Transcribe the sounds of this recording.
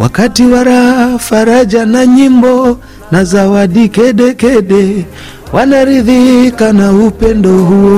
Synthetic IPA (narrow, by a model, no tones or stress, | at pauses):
wa̰katiwaɾaafaɾad͡ʒanaɲimbɔ | nazawaɗikɛɗɛkɛɗɛ | wanaɾiðikanaupɛndɔhuɔ